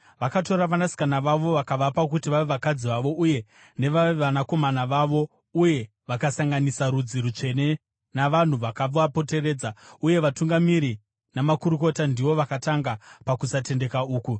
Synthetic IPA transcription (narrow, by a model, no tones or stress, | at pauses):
ʋakato̞ɾaʋanasi̥kanaʋaʋo̞ʋakaʋapak̬utiʋaʋe̞ʋakad͡ziʋaʋo̞ʔuje̞ | ne̞ʋaʋeʋanako̞manaʋaʋo̞ | uje̞ | ʋakasaŋɡanisaɾud͡ziɾut͡ʂe̞ne̞ | naʋan̤uʋakab͡vuapo̞te̞re̞ːd͡zauje̞ʋatuŋɡamiɾi | namakuɾuko̞tandiʋo̞ʋakataŋɡapakusate̞nde̞kauːku